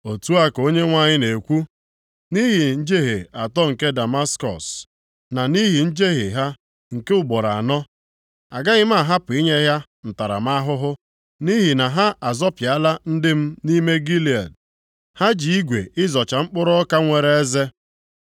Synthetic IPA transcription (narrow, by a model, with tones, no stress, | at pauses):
o˨tu˦a˦ko˦ɲe˦ŋʷa˨ɲɪ˦ne˨kʷu˦ | ni˦ɦi˨n̩˦d͡ʒe˦ɦe˨a˨tɔ˦ŋ̩˨ke˦da˨ma˦skɔ̰˨s | na˨ni˦ɦi˨n̩˦d͡ʒe˦ɦe˨ɦa˦ | ŋ̩˨ke˦ʊ˦ɡ͡bɔ˨ɾa˨nɔ˦ | a̰˨ɡa˦ɣɪ˦m̩˦a˦˨ɦa˦pʊ˨i˦ɲe˦ɦja˦ | n̩˨ta˨ɾa̰˨m̩˦a˦ɦʊ˦ɦʊ˦ | ni˦ɦi˨na˨ɦa˦ʔa˨zɔ˦pja˦la˦n̩˦dɪ˦m̩˦ni˦me˦ɡi˦li˨a˨d | ha˦d͡ʒi˨i˦ɡʷe˨ɪ˦zɔ˨t͡ʃa˨ŋ͡m̩˦k͡pʊ˦ɾɔ˦ka˦ŋʷe˨ɾe˨e˦ze˦